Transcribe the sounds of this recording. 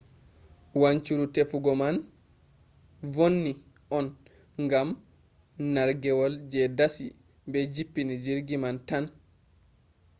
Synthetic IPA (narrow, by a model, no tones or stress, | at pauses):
waɲt͡ʃuɾutefuɡɔman | vonːi | ʔɔn | ŋɡam | naɾɡɛwɔld͡ʒɛdasi | bɛd͡ʒipːinid͡ʒiɾɡimantan